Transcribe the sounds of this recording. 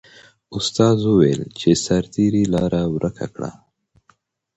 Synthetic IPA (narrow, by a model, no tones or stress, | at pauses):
ʊst̪ɑːzuwelt͡ʃʰesaɾt̪iɾilɑːɾʔawɾʔəkʰa̰kɽa̰